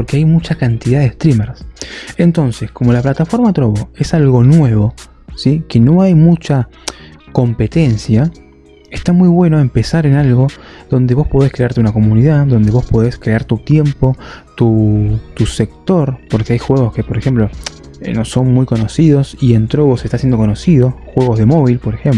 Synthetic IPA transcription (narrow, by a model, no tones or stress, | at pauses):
poɾkeajmut͡ʃakant̪iðaðeest̪ɾimeɾse̞nt̪o̞nse̞sko̞mo̞laplat̪afo̞ɾmat̪ɾoβoe̞salɣo̞nwe̞β̞o̞ | sikeno̞ajmut͡ʃa | ko̞mpe̞t̪e̞nsja | est̪amujβwe̞noempe̞saɾe̞nalɣo̞ðo̞nd̪eβo̞spo̞ðeskɾeaɾt̪eunako̞muniðaðo̞nd̪e̞β̞o̞spo̞ðeskɾe̞aɾt̪ut̪je̞mpo̞t̪ut̪use̞k̚t̪o̞ɾpo̞ɾkeajxwe̞ɣo̞ske̞poɾexe̞mplo̞ | no̞so̞nmujko̞no̞sið̞o̞sie̞nt̪ɾo̞βosest̪asje̞nd̪o̞konosið̞o̞xwe̞ɣo̞zð̞e̞mo̞β̞ilpo̞ɾexem